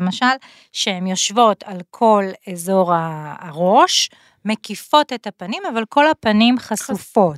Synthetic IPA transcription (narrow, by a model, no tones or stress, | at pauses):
maʃal | ʃehemjo̞ʃvo̞tʰalkʰo̞lezo̞ʁaːʁo̞ʃ | me̞kifo̞tethapanimavalko̞lhapanimχasufo̞